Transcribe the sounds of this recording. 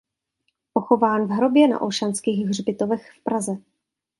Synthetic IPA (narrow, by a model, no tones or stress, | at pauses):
ʔoxo̞vaːnvɦɾo̞bjɛna̰ʔolʃanskiːɣɦr̝bɪt̪ovɛxfpɾazɛ